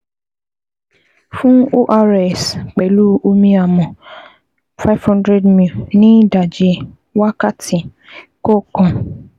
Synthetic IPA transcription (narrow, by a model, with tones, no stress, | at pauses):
fũ˦o˦ʔa˧ɾɛ˨sk͡pɛ˨lu˦o˧mĩ˧a˨mɔ̃˨ | fa˦fhɔ̃˦ndɾɛ˦dmi˨lnĩ˦da˨d͡ʒi˧ | wa˦ka˦tĩ˨ | kɔ˦kɔ̃˧